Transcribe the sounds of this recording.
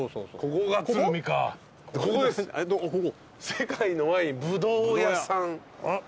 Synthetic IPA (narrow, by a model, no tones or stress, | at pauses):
osookokoɡaɨɯmʲika | kokd̪esd̪okoko | sekaino̞maɲibɯd̪oːjasãŋ